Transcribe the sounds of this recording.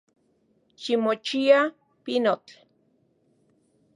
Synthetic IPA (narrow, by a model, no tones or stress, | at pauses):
ʃimot͡ʃia | pinot͡ɬ